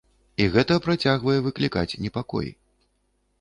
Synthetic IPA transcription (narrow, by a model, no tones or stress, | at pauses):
iɣɛt̪ɐpɾat͡sʲaɣvɐjɛvɨklʲikat͡sʲnʲɛpakɔ̰jḭ